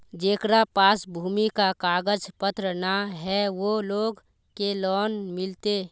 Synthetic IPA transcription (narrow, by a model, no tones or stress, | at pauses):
d͡ʒeːkɾapaːsbʱuːmikakaːɡəd͡ʒpət̪ɾənaɦɛʋoloːɡ | kelɔːnmɪlt̪e